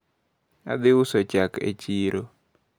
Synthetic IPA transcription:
a̰d̪ɪʊsot͡ʃakḛt͡ʃiɾo

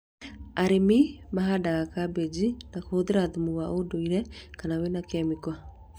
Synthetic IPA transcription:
aɾemimaɦadaɣakabed͡ʒinakoðeɾaðumuɣwaʔodoiɾɛkanawenakɛmikwa

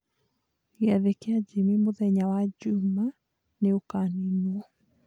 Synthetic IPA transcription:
iaðekead͡ʒemimoðɛɲawad͡ʒuma | neokaninuɔ

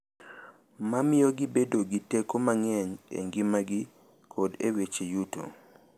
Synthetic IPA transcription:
mamɪɔɡɪbedoɡitekomaŋɛɲḛŋɡɪmaɡɪ | kʰɔdewet͡ʃejuto̰

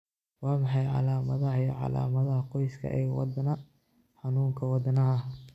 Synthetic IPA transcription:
wɑːmɑħɑjʕɑ̰laːmɐðɐɦɐjʕɑ̰la̰ːmɐðɐhɐqɔjskʰɐ̰ʔɛ̰ɣwɑ̰d̪ɐnɐ | ħɑnuːŋkʰɐwɑd̪ɐnɐɦɐ

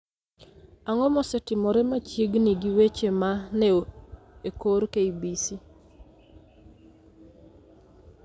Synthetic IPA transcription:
aŋɔmɔsɛtɪmɔɾɛmat͡ʃjeɡniɡiwet͡ʃemanɛo | ekoɾkeibisi

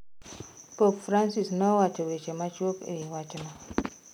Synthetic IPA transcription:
popfɾansisnɔwat͡ʃɛwet͡ʃɛmat͡ʃwokḛwat͡ʃɛma

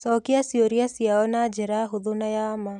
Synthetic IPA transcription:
sɔkijasioɾiasiaɔnad͡ʒeɾaɦuðunajaːma

